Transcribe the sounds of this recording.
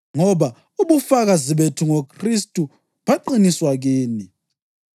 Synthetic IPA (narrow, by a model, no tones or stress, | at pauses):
ŋɔβa | uβufaɣaziβetʰuŋokʰristʼu | βaǃiniswaɣiːni